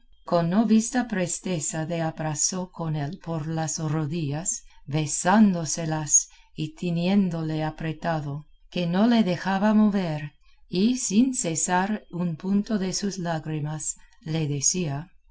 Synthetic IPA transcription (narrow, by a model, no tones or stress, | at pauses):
ko̞nːo̞βist̪apɾe̞st̪e̞saðe̞abɾasokʰo̞ne̞lpo̞ɾlasroðiʝasβe̞sand̪o̞selas | it̪ʰinje̞nd̪o̞le̞apɾe̞t̪aðo | ke̞no̞le̞ðe̞xaβamo̞βeɾ | isinse̞saɾunpunt̪o̞ðe̞suslaɣɾimas | le̞ðesia